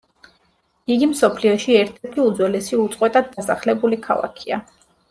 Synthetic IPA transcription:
iɡimsɔpʰliɔʃiɛɾt̪ʰɛɾt̪ʰiud̪zwɛlɛsiut̪sʼqʼwɛt̪ʼad̪̚ːasaχlɛbulikʰa̰lˠa̰kʰia

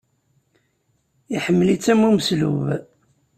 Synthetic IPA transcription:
iħəmːəlit͡sːæmuməslṵv

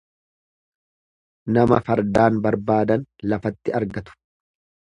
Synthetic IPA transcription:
nɐmɐfɐɾd̪aːnbɐɾbaːd̪ɐnlɐfɐt̪ːɪɐɾɡɐt̪ʊ̥

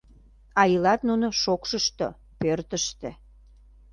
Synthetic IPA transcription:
ɑjəlɑt̪nunoʃokʃəʃt̪o̰ | pørt̪əʃt̪ḛ̆

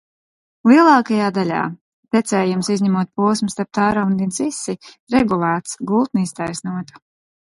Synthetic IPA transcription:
lˠiɛlˠɑːkajaːd̪alʲa̰ː | t̪ɛt̪sɛːjumsizɲɛmuɔt̪̚puɔsmust̪aɾp̚t̪aːɾand̪insisːi | ɾɛɡulˠæːt̪sɡulˠt̪nist̪ajsnuɔt̪ḁ

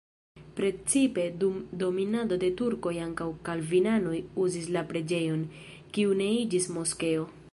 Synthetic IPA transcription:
pɾe̞t͡sipe̞dumdo̞minado̞de̞tuɾko̞jaŋkawkalvinano̞juzislapɾe̞d͡ʒe̞jo̞n | kiune̞id͡ʒismo̞ske̞o̞

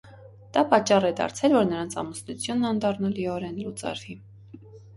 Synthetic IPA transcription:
d̪̥ɑpɑt͡ʃːɑrɛd̪ɑ̰ɾt͡sʰɛlvɔɾnəɾɑnt͡sʰɑ̰məsnut͡sʰjunːɑnd̪ɑrnɑliɔɾɛnlut͡sɑ̰ɾvi

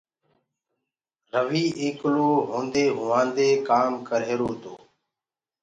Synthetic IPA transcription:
ɾəʋiːʔẽːkloːɦõːnd̪eːɦʊːʋãːnd̪eːkaːmkəɾɦeːɾoːt̪o̰ː

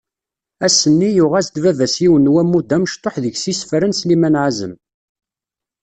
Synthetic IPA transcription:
æsənːijʊʁæsd̪vævæsjiwənːwæmːud̪ːæməʃt̪ˤoħðəʝsisfɾənslimænʕazə̰m

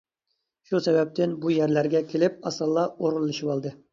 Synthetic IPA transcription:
ʃusɛbɛp̚t̪ʰɪnbujæɾlæɾɡʲɛkʲʰelɪp̚ɑsɑlˠːɑoɾulˠːɨʃipɑlˠd̪ɨ

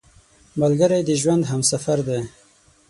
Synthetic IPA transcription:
malɡəɾajd̪əʒwand̪ɦamsafaɾd̪e

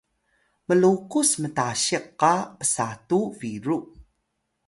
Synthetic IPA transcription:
məlukusmətaɕiqːapə̥satuviɾu

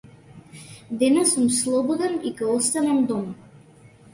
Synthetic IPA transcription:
d̪ɛnɛsumslˠɔbɔd̪ɛnikɛɔst̪anamd̪ɔm

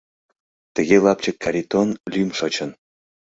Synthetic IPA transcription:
t̪ə̆ɣʲelˠɑp̚t͡ɕə̆kːaɾʲit̪onlʲymʂɤt͡ɕə̆n

